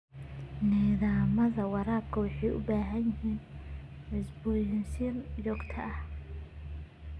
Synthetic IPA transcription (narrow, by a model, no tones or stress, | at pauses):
nɛːðaːmɐðɐwɑɾaːb̚kʰɐwɑħɑjʔʊ̰baːɦɐnjɪɦiːnʕɪsbʊjɪnsinjɔːɡt̪ʰɐʔɐh